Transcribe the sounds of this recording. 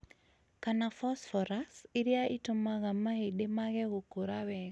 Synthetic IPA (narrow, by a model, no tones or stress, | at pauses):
kanafɔsfɔɾasɪɾjaʔitomaɣamaheɗemaɣɛɣokoɾawɛɣ